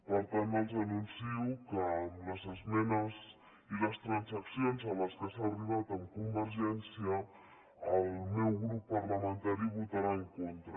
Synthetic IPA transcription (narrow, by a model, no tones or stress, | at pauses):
pəɾt̪anəlzanunsiwukələzəzmɛnəz | iləst̪ɾansaksjonzaləskəsaːriβ̞at̪əmkumbəɾʒɛnsiaəː | lmɛwɣɾupːaɾləmə̃nt̪aɾiβut̪aɾaeŋkont̪ɾə